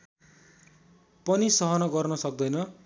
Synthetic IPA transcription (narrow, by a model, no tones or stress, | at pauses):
pʌnisʌɦʌnʌɡʌrnʌsʌk̚d̪ʌjnʌ